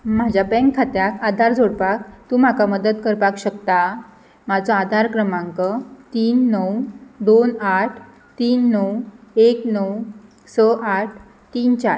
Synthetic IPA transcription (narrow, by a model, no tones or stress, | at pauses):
mad͡ʑʱabɛ̃ŋkʰːat̪jakad̪ʱaɾd͡zʱoɽpak̚t̪uːm̤akaməd̪ət̪kəɾpakɕəkt̪a | mad͡zɔad̪ʱaɾkɾəmãŋkət̪iːnːəwd̪onaʈʰ | t̪iːnːəweknəw | səʔaʈ̚ʰ | t̪iːnt͡ɕaɾ